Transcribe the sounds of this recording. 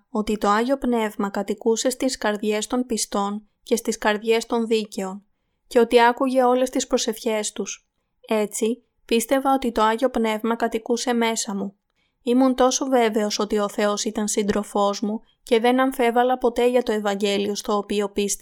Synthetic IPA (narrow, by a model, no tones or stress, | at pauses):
o̞t̪it̪o̞ɐʝo̞pne̞vmɐkɐt̪ikuse̞st̪iskɐɾðʝe̞st̪o̞npist̪o̞n | ce̞st̪iskɐɾðʝe̞st̪o̞nðice̞o̞n | ce̞o̞t̪iɐkuʝe̞o̞le̞st̪ispɾo̞se̞fçe̞st̪us | e̞t͡si | pist̪e̞vɐo̞t̪it̪o̞ɐʝo̞pne̞vmɐkɐt̪ikuse̞me̞sɐmu | imunt̪o̞so̞ve̞ve̞o̞so̞t̪io̞θe̞o̞sit̪ɐnsind̪ɾo̞fo̞zmu | ce̞ðe̞nɐɱfe̞vɐlɐpo̞t̪e̞ʝɐt̪o̞e̞vɐɲɟe̞lio̞st̪o̞ːpio̞pis